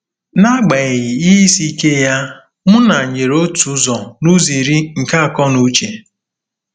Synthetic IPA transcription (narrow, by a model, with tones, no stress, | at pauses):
na˦ɡ͡ba˨ɣi˨i˦i˦si˦ke˦ja˦ | mʊ˦na˨ɲe˨ɾo˦tu˨˦zɔ˨nu˦zi˨ɾi˦ŋ̩˨ka˦a˨kɔ˦nu˦t͡ʃe˨